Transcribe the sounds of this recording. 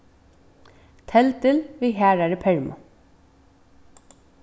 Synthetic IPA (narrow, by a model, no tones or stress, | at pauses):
t̪ʰɛlt̪ɪlʋiːhæːɹæːɾiːpʰɛɹmʊ̰